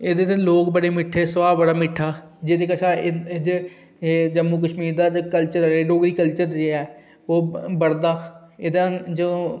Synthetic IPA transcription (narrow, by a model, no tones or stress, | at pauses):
eːd̪eːt̪eloːkbəɽeːmɪʈʰeːsəʋaːbbəɽaːmɪʈʰːaː | d͡ʒed̪eːkəʃʰaːd͡ʒː | d͡ʒəmːuːk̬əʃmiːɾd̪aːd͡ʒkəlt͡ʃəɾɾeːɖoːɡɾiːkəlt͡ʃəɾd͡ʒeɛː | oːbəɽd̪aː | eːd̪ãːd͡ʒoː